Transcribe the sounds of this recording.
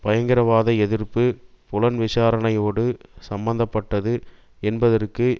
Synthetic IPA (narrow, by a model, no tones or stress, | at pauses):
pɐjɐŋɡɪɾɐʋaːðɐɛðɪrpɯ | pʊlɐnʋɪʂaːɾɐnɐjoːɽɯsɐmbɐnd̪ɐpːɐʈːɐðɯ | ɛnbɐðɐrkɯ